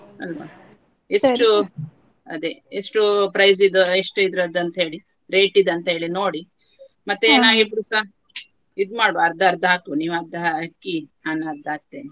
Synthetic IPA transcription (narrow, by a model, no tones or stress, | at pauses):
ɐ̰lʋa̰ | esʈu | ɐ̰d̪eesʈupɾɐjzid̪ueʂʈuid̪ɾɐd̪ɐnt̪ɐɦe̞ːɭi | ɾe̞ːʈid̪ɐnt̪ɐɦe̞ːɭinoːɽi | mɐt̪ːeːnaːɡibuɾusa | id̪maːɽuɐɾd̪ɐɾd̪ʱɦaːkuniːʋɐɾd̪ɐkːiaːnɐɾd̪ʱaːk̚t̪e